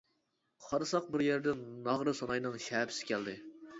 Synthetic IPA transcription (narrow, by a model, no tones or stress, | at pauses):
χʰɑɾɨsɑq̚bɪɾjɛɾd̪ɪnnɑʁɾɨsonɑjnɨŋʃɛːpʰɪ̥sɪ̥kʲʰɛld̪ɪ